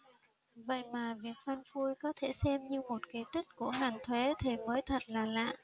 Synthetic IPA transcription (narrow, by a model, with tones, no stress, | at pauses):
və̰˧˨jmaː˨˩vi˨˩ək̚fə˧nfu˧jkɔ˨˦t̪ʰe˧˩sɛ˧mɲɨ˧mo˨˩t̚ki˨˦jt̪i˦˥k̚ku˧˩əŋaː˨˩ŋt̪ʰwe˨˦t̪ʰe˨˩məː˨˦jt̪ʰə˨˩t̚laː˨˩la̰ː˧˨ʔ